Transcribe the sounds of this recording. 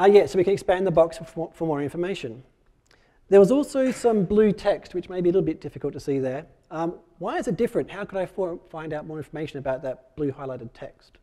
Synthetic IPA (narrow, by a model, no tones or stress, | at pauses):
jæsoʊwikɨ̃nɨkspæ̃nðəbɑksfə˞mɔɹɪ̃ɱfə˞meɪʃɨ̃n | ðə˞wʌzɔlˠsoʊsʌ̃mblʉtʰɛkst̚wɨt͡ʃmeɪbiəlɪɾl̩ˠbɪt̚d̥ɪfɨkl̩ˠtʰɨsiðə˞ | ʌ | waɪɨzɨt̚d̥ɪfɹɨ̃nʔhaʊkʰəɾaɪffãɪ̃ndaʊt̚mɔːɹɪ̃ɱfə˞meɪʃɨ̃nɨbaʊt̪̚ðɨt̚b̥lʉhaɪlaɪɾɨd̚tʰɛkst